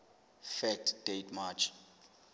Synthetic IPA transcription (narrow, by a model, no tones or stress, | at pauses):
fɛtʰd̥etmat͡ʃʰ